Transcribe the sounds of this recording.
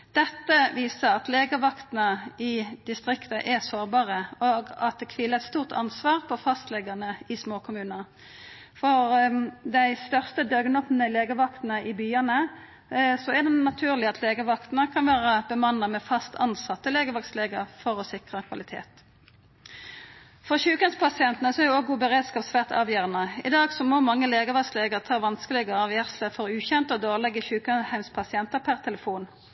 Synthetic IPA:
d̪̥ɛt̪ːəʋiːsəʁɑt̪leːɡəʋɑkt̪nəɪd̪̥ɪst̪ʁɪkt̪əʔɛsoːʁbɑːʁəoɡɑt̪̚d̪ɛkʰʋiːləɛt̪st̪uːʁt̪ʰɑ̰nsʋɑːʁpʰɔfɑst̪lɛɡənəɪsmoːkʰʊmʉːnəʁ | fɔʁd̪æɪst̪œʁst̪əd̪œɡnɔpnəleːɡəʋɑkt̪n̩əʔɪbyːənə | sɔɛd̪ɛnɑt̪ʰʉːʁlɪɑt̪ʰleːɡəʋɑkt̪nəkʰɑnʋæːʁəb̥əmɑnəmɛːfɑst̪ʰɑnsɑt̪ːəleːɡəʋɑktsleːɡəʁfɔʁɔsɪkʁəkʰʋɑlɪt̪ʰḛːt̪ | fɔʁçʉːkhæɪmspʰɑsɪɛnt̪nəsɔɛʁjʊoːɡuːbəʁeːd̪skɑːpsʋæːʁt̪ɑ̰ːʋjœːʁənəɪd̪ɑːɡsɔmomɑŋːəleːɡəʋɑksleɡəʁt̪ʰɑːʋɑnskəlɪɡəɑːʋjæʁsləfɔʁʉːçɛnt̪əɔd̪oːʁlɛɡəçʉːkəhæɪmspʰɑsɪɛnt̪əʁpʰæʁt̪ʰɛləfuːn

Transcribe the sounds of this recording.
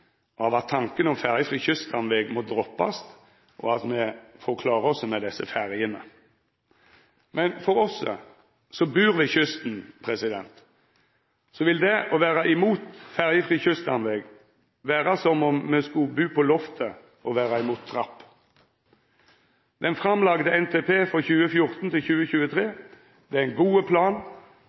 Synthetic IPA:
ɑʋɑt̪ʰːɑŋkənɔmfæʁjəfɾiːçʏst̪ɑnʋɛɡmɔd̪ɾɔpːɑ̰st̪ | ʔɔ̰ɑt̪mɛfɔkʰlɑːɾəɔsːɔmɛd̪ɛsːəfæɾjənə | mɛnfɔɾɔsː | sɔbʉːɾʋɪçʏst̪n̩pʰɾɛsɪd̪ɛ̰nt̪ | sɔʋɪld̪ɛʔɔʋæːʁɑʔɪmuːt̪fæʁjəfʁiːçʏst̪ɑnʋɛɡ | ʋæːʁɑsɔmɔmmɛskʉbʉːpʰɔlɔft̪ʰə | ɔʋæːʁɑɪmuːt̪̚ʰːʁɑpː | d̪ɛnfʁɑmlɑɡd̪əɛnt̪ʰeːpʰeːfʁɔçʉːəfjʊʁt̪nt̪ɪlçʉːəçʉːət̪ʰʁeː | d̪̥ɛæɪnɡuːəpʰlɑːn

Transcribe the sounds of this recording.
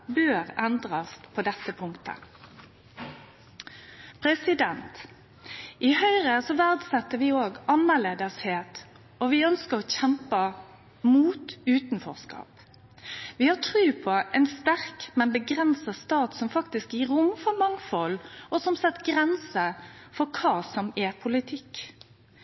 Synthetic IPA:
bøːɾɛnd̪ɾɑspʰɔd̪ɛt̪ːəpʰʊŋkt̪ʰə̰ | pʰɾɛsɪd̪ɛnt̪ | ʔɪhœʏɾəsɔʋæʁd̪sɛt̪ːəɾʋɪoːɡɑnːəʁleːd̪əsheːt̪ | ɔʋɪœnskəɾɔçɛmpə | muːt̪ʉːt̪nfɔ̰ʁskɑ̰ːp | ʋɪhɑʈʰʁʉːpʰɔʔɛɪnst̪æɾkmɛnbəɡɾɛnsɑst̪ɑːt̪sɔmfɑkt̪ɪskjiːɾʊmfɔɾmɑŋfɔlɔsɔmsɛt̪ːɡɾɛnsəfɔkʰɑːsɔmɛpʰʊlɪt̪ʰɪk

